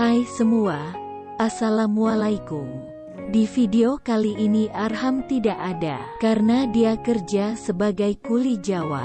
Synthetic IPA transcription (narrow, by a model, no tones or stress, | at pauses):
hajsəmua | ʔasalamualaikuŋ | difideokaliʔːniʔarɦamt̪idaʔada̰kaɾənadiakərd͡ʒasəbaɡajkulid͡ʒawa̰